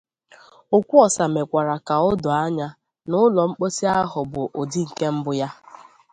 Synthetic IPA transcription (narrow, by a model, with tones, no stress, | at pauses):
o˨kʷu˦ɔ˨sa˨me˨kʷa˨ɾa˨ka˨ʊ˦dʊ˨a˦ɲa˦ | nʊ˦lɔ˨ŋ͡m̩˦k͡po˦si˦a˦ɦʊ˨bʊ˨ʔo˨di˦ŋ̩˨ke˦m̩˦bʊ˨ja˦